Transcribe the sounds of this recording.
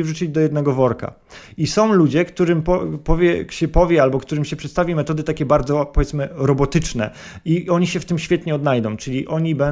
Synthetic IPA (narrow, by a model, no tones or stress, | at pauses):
ivʐut͡ɕid͡ʑd̪ɔjɛd̪nɛɡɔvɔɾka̰ | isɔ̃w̃lud͡ʑɛkt̪uɾɘmpɔpɔvʲjɛɕɛpɔvʲjɛalbɔkt̪uɾɘmɕɛpʂɛt̪st̪avʲimɛt̪ɔd̪ɘt̪akʲɛbaɾd̪zɔpɔvʲɛt̪smɘɾɔbɔt̪ɘt͡ʂnɛ̰ | iɔɲiɕɛft̪ɘmɕfʲjɛt̪ɲɛɔd̪najd̪ɔ̃w̃t͡ʂɘlʲiʔɔɲibɛ